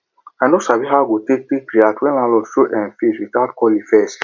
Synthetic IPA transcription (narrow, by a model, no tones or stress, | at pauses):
anosabiɦaɡotek̚tikɾiatwɛ̃nlãlɔʃoʔɛ̃nfeswitatkɔlifɛs